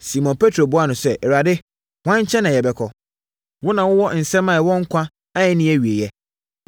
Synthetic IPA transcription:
si˨mɔ̃˨npʰe˦tʰɾo˨bʊ˦a˦nʊ̃˨sɛ˦ʔɛ˨ɾa˨dɪ˦ | wã˦ɲ˦t͡ɕʰɛ̃˦nã˨jɛ˨bɛ˨˦kʰɔ˨ | wʊ˦nã˨wʊ˦wɔ˦˨n̩˨sɛ̃˦mã˨wɔ̃˦ŋ̩˦kʷʰã˦ | a˦ɛ˦nĩ˦æ˦ɥi˨e˨jɛ˦

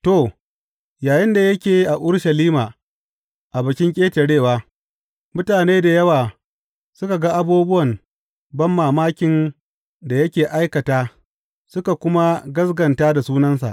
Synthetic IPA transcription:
toː˨ | jaː˨jɪ˦nda˨jɐ˦kʲeː˨jʔa˨ʔʊ˦ɽʃɐ˨liː˦maː˨ | ʔa˨bɐ˨kʲɪ˦ŋkʲʼeː˦te˨ɽeː˦˨waː˦ | mʊ˦taː˨neː˦da˨jɐ˦waː˨ | sʊ˦ka˨ɡa˦ʔa˨buː˦bʊ˦wɐ˨n | bɐ˦mːaː˨maː˦kʲɪ˨n | da˨jɐ˦kʲeː˨ʔa˦jkɐ˨taː˦ | sʊ˦ka˨kʷʊ˦ma˦ɡɐ˦sɡɐ˨ntaː˦da˨suː˦nɐ˦nsa̰˨ʔ

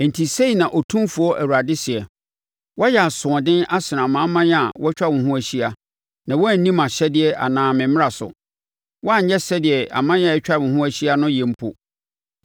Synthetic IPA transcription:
n̩˨tʰi˨se˦˨nã˨ʔɔ˨tʰũ˦mfu˨ɔ˦ʔæ˨wu˨ɾa˨dɪ˦sɪ˨ɛ˨ | wɔ˦jɛ˨a˨sʊ̃˨ɔ˨dɪ̃˦na˦sɪ˨ɾã˨mã˦mã˦a˨wʔɔ˦t͡ɕᶣa˦mʊ̃˨ɦũ˦æ˨ɕi˦a˦ | nã˨wɔ˦æ˦˨n̩˦nĩ˦mã˨ɕɛ˦dɪ˨ɛ˨ʔa̰˨nãː˨mɪ̃˨mɪ̃˦a˨sʊ̰˨ | wɔ˦a˦ɲ̩˦ɲɛ˦sɛ˦dɪ˨ɛ˨a̰˨mã˦n˦ã˨ɛ˦t͡ɕᶣa˦˨ʊ̃˨ɦũ˦æ˦ɕi˦a˦nʊ̃˦jɛ̃˨m̩˦pʰo˨

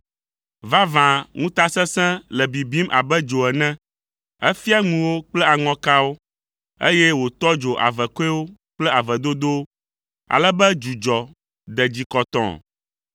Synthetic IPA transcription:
va˦vã˨ŋũ˦t̪a˦sɛ̃˦sɛ̃˦lɛ˨bi˨bi˦mʔa̰˨bɛ˦d͡ʒo˨ɛ˨nɛ̃˦ | ɛ˦fi˦a˦ŋũ˨wo˦k͡plɛ˦a˨ŋɔ̃˨ka˦wo˦ | ḛ˦jɛ˦wo˨t̪ɔ˦d͡ʒo˨ʔa̰˨vɛ˨ko˦ɛ˦wo˦k͡plɛ˦a˨vɛ˨d̪o˦d̪o˦ | a̰˨lɛ˦bɛ˦d͡ʒu˨d͡ʒɔ˨ | d̪ɛ˨d͡ʑi˨kɔ˨t̪ɔ̰̃˨

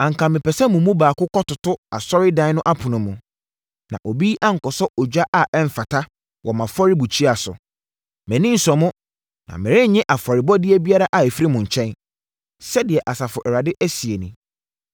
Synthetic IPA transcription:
ã˨ŋ˨kʰã˨mɪ̃˨pɛ˨sɛ˦mʊ̃˨˦mũ˦baː˨kʊ˦kɔ˦tʊ˨tʊ˦a̰˨sɔ˦ɾɪ˦dã˦nʊ̃˦ʔa˦pʰʊ̃˨nʊ̃˨mʊ̃˨ | nã˨ʔo˨bi˦ʔa˦ŋ̩˨kɔ˨sɔ˦ʔɔ˨d͡ʑᶣa˦ʔa˨ɛ˦ɱ̩˨fa˨tʰa˦ | wɔ˨mã˨fɔ˦ɾɪ˦bu˨t͡ɕʰi˦a˨sʊ̰˨ | mɛ̃˨nĩ˦n̩˦sɔ˨mʊ̃˦ | nã̰˨mɪ̃˨ɾɪ̃˦ɲɛ̃˦ʔa˨fɔ˨ɾɪ˨bɔ˦dɪ˦ɛ˦bi˦a˦ɾa˦ʔa˨e˨fɾi˦mʊ̃˨ɲ̩˨t͡ɕʰɛ̃˦n | sɛ˦dɪ˨ɛ˨ʔa˨sa˨fʊ˨ʔɛ˨ɾa˨dɪ˦ʔæ˦si˨e˨nĩ˨

